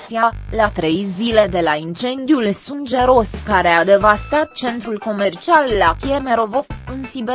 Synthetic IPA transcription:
sialat̪ɾe̞jzile̞d̪e̞laint͡ʃe̞nd̪iulsund͡ʒe̞ɾo̞skaɾe̞ad̪e̞vast̪at̪̚t͡ʃe̞nt̪ɾulko̞me̞rt͡ʃialːakjeme̞ɾo̞vokɨnsibe

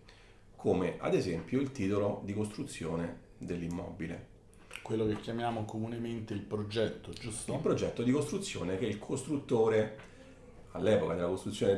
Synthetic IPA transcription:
kʰoːmeʔa̰d̪ezɛmpjoilt̪iːt̪olod̪ikost̪ɾut̪sːjoːne | d̪elːimːɔ̰bilḛ | kwelːokekjamjaːmokomunement̪eilpɾod͡ʒɛt̪ːod͡ʒust̪ilpɾod͡ʒɛt̪ːod̪ikost̪ɾut̪sːjo̰ːnek̟ɛilkʰost̪ɾut̪ːoːɾe | alːɛːpokad̪elːakost̪ɾut̪sjoːne

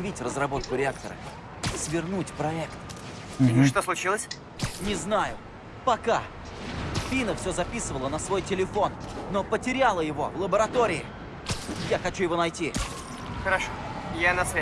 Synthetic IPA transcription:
vʲitʲrəzrɐbo̞t̪̚kʊɾʲɪak̚t̪əɾə̰ | svʲɪrnutʲpɾɐɛkt̪ | ʂ̬t̪oslˠʊt͡ɕilˠəsʲ | nʲɪznajʊ | pɐka | fʲinəfsʲɵzɐpʲisɨvəlˠənəsvo̞jtʲɪlʲɪfo̞nːopətʲɪɾʲalˠəjɪvo̞̰vlˠəbəɾɐt̪oɾʲɪɪ | jaxɐt͡ɕujɪvo̞nɐjtʲi | xəɾɐʂojanɐsvʲ

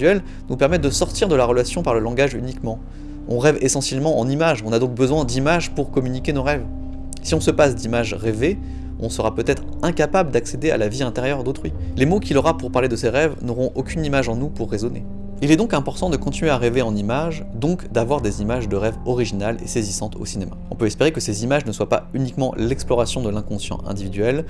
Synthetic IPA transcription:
ɛl | nupɛʁmɛt̪̚d̪əsɔʁt̪iʁd̪əlaʁəlasjɔ̃paʁləlɑ̃ɡaʒy̰nikmɑ̃ | ɔ̃ʁɛvesɑ̃sjɛlmɑ̃ɑ̰̃nimaʒɔ̃nad̪ɔ̃k̚bəzwɛ̃d̪imaʒpuʁkɔmynikʲenoʁɛv | siɔ̃səpasd̪imaʒʁeve | ɔ̃səʁapøt̪ɛt̪χ | ɛ̃kapabləd̪aksed̪ea̰laviɛ̃t̪eʁjœʁd̪ot̪χɥilemokʲilɔʁapuʁpaʁled̪əseʁɛvnɔʁɔ̃ʔokʲynimaʒɑ̃nupuʁːezɔnḛ | ilɛd̪ɔ̃kɛ̃pɔʁt̪ɑ̃d̪əkɔ̃t̪inɥeaʁeveɑ̃nimaʒd̪ɔ̃kd̪avwaʁd̪ezimaʒd̪əʁɛvɔʁiʒinalḛsezisɑ̃t̪ʰo̰sinemaɔ̃pøɛspeʁekəsezimaʒnəswapa̰ynikmɑ̃lɛksplɔʁasjɔ̃d̪əlɛ̃kɔ̃sjɑ̰̃ʔɛ̰̃d̪ivid̪ɥɛl

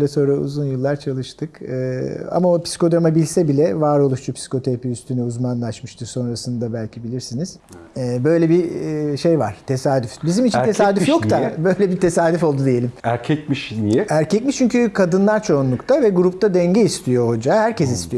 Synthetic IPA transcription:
lʲɛso̞nɾaṵzunjɯlˠːaɾt͡ʃʰalˠɯʃt̪ʰɯkɯːa̰maopsi̥ko̞d̪ɾamabilʲsɛbilʲɛvaːɾo̞lˠuʃt͡ʃʰupsi̥kʰo̞t̪ʰeɾapiyst̪ʰynɛuzmanlˠaʃmɯʃt̪ʰɯɾso̞nɾasɯnd̪abælʲcʰibilʲiɾsiniz̥ | ɛbø̞jlʲɛbiʃejvaɾ̥t̪ʰe̞saːd̪yfbizimit͡ʃʰinesaːd̪yfjokt̪abø̞jlʲɛbit̪ʰe̞saːd̪yfo̞lˠd̪ud̪eije̞lʲimæɾcʰɛc̚miʃniɛæɾcɛcmiʃt͡ʃʰyɲcykʰad̪ɯnlˠaɾt͡ʃʰo̞unlˠukt̪ʰavɛɡuɾup̚t̪ʰad̪ɛɲɟɛist̪ʰijo̞ho̞d͡ʒahæɾcʰɛs̬ist̪ʰijo

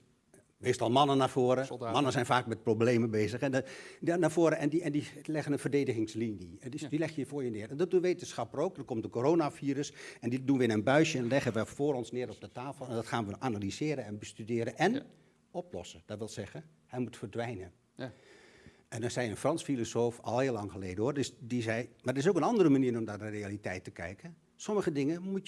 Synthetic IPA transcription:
meːstɑlˠmɑnənːaːfoəɾəmɑnənsɛjnfaːkmɛt̚probleːməbeːzəxɛnaːvoːɾəɛndiɛndilɪɣənənfərdeːdəɣɪŋslinjəɛdilɛxjəjəfʊːjənɪərɛndɔdunʋeːtənsxɑpəroːk̚dərkɔmtdəkoɾoːnafiːrəsɛndidunʋəɪnənbœɥʃjəɛnnlɛɣənʋəfoːɾɔnsnɪːɾɔp̚dətaːfəlˠɛndɔtxaːnʋəʔanalizɪːɾənɛnbəstydɪːɾənʔɛn | ɔplɔ̰səd̥ɔtʋɪlˠzɛɣən | hɛjmutfərdʋɛjnə | ʔɛndɔnsɛjənfrɑnsfilosoːfɔlˠhɪːlːɑŋxəleːdəordəsdizɛjmardəɪs̬owkənɑndərəmaniːɾɔmnaːdərejalitɛjtəkɛ̰jkən | sɔməɣədɪŋəmu

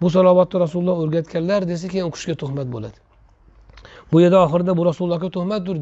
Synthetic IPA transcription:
bʊs̬ɑlˠɒvɒt̪ːɪɾasullˠːɒɵɾɡʲat̪kʲʰanlaɾd̪es̬akʲʰejanoqʰʊ̥ʃɡʲat̪ʰʊhmat̪̚bo̰la̰d̪ɪ | bʊjeɾd̪aɒχɨɾɪd̪abʊɾasulˠlˠːɑhkʲat̪ʰʊhmat̪̚d̪ʊɾ

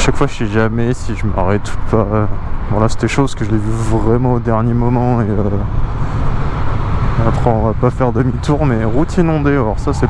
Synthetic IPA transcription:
ʃakfwaʒɛʒamɛsiʒəma̰ʁɛt̪upaøbɔ̃lase̥t̪ɛʃozkəʒəlɛvyvʁɛmɑ̃od̪ɛʁnjemɔmɑ̃eø | apχɑ̃apafɛʁd̪əmit̪uʁmɛʁut̪ʰinɔ̃d̪ealɔʁsasɛ

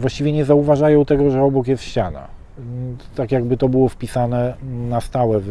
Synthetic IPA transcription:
vwaɕt͡ɕivʲjɛɲɛzauvaʐajɔ̃w̃t̪ɛɡɔʐɛɔbɔkjɛst̪ɕt͡ɕana̰ | t̪akjaɡ̚bɘt̪ɔbɘwɔfpʲisanɛnast̪awɛv

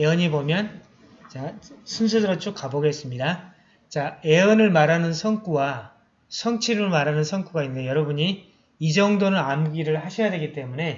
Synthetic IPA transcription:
eʌɲibomjʌn | t͡ɕasʰunsʰudɯɾʌt͡ɕ͈ok̚k͈aboɡe̞s͈ɯmɲida | t͡ɕae̞ʌnɯɭmaɾanɯnsʰʌŋk͈uwa | sʰʌŋt͡ɕʰiɾɯɭmaɾɦanɯnsʰʌŋk͈uɡainːɯdejʌɾʌbuɲi | id͡ʑʌŋdonɯnamɡiɾɯɭhaɕʰʌjadwe̞ɡit͈e̞mune̞

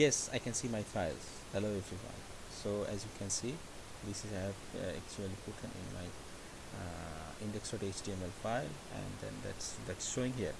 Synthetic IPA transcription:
jɛsa̰ɪkɛ̃nsiːmaɪfaɪlz | əloʊevɾifã̰ɪ̃ | soːɛ̰zjukʰɛ̃nsiː | d̪ɪsɪzaɛvɛ̰k̚t͡ʃuəlipʊʈʰə̃nʔɪ̰̃nma̰ɪ | ɪ̃ɳɖeksɔʈet͡ʃʈiẽmɛlfaɪl | ɛ̰̃ɳɖd̪ɛ̰̃nd̪æ̰ʈsd̪æʈsʃoːɪ̃ŋɦiəɾ

